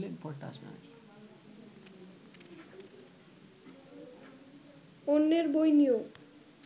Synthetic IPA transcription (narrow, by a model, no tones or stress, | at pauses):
lenfɔɾʈaa̰ʃbḛna̰ki | onːeɾbojnio